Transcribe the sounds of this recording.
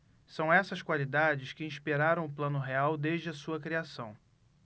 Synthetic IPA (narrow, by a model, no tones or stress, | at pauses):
sɐ̃w̃ɛsɐskwalid̪ad͡ʒɪskɪĩʃpiɾaɾɐ̃w̃ʊplɐ̃nʊɦeawd̪eʒd͡ʒɪɐsuɐkɾiasɐ̃w̃